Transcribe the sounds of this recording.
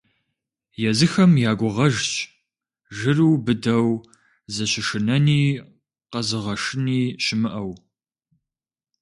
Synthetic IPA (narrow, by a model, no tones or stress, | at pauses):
jɛzɨxɐmjaːɡʷʊʁɐʒt͡ʃʼ | ʒɨruːbɨdɐw | zɐɕɪʂɨnɐniː | qɐzɨʁɐʂɨniːʃɪmɨʔɐw